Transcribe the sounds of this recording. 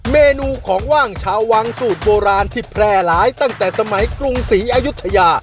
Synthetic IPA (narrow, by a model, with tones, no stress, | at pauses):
meː˧nuː˧kʰɔː˩˦ŋwaː˥˩ŋt͡ɕʰaː˧wːa˧ŋsuː˨˩t̪̚boː˧ɾaː˧nt̪ʰi˨˩pʰɾɛː˧˩laː˨˦jt̪a˥˩ŋt̪ɛː˨˩sa˧ma˩˦jkɾu˧ŋsiː˩˦ʔaː˧ju˦˥t̪ʰːa˧jaː˧